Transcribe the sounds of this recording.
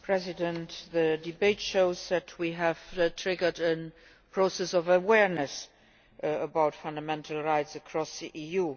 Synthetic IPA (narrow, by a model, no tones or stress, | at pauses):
pʰɹɛzɪdə̃ntðədibeɪtʃoʊzðætʰwiɦæv̥tʰɹɪɡə˞də̃n | pʰɹ̥oʊsɛsɔvəwɛɹnəs | əbaʊtfʌ̃ndəmɛ̃ntʰəl̩ˠɹaɪtsəkʰɹɔsðiʔiju